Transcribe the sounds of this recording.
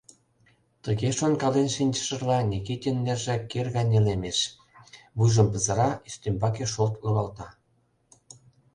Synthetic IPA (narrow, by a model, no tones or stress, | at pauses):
t̪əɣeʃonkɑlenʃinʲt͡ɕə̥̆ʃə̆rlɑnʲeket̪ʲenːerʒækerɣɑnʲelemeʃ | βujʒə̆mpə̆zɤ̆ɾɑiʃt̪embɑkeʃolt̪loɣɑlt̪ɑ